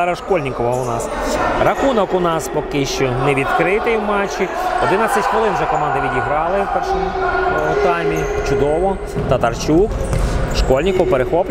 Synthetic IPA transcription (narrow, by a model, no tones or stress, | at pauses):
ɑɾɐʃkɔlʲnʲikɔʋɐʊnɑs | ɾɐkunɔkunɑspɔkɪʃt͡ʃɔnɛʋʲid̪kɾɪt̪ɪjwmɑt͡ʃːi | ɔd̪ɪnɐt̪sɛjʲxʋolˠɪnʒɛkɔmɑnd̪ɐʋʲidʲiɦɾɑlˠɪpɛrʃɪmuɔlˠk̪ɑjmʲi | t͡ʃʊd̪ɔʋɔ | t̪ɐt̪ɐrt͡ʃukʃkɔlʲnʲikɔwpeɾexˠɔp